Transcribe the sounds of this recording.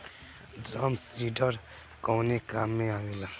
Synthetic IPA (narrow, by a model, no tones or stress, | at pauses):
damsiɖ͡ʐar | koŋnekameawela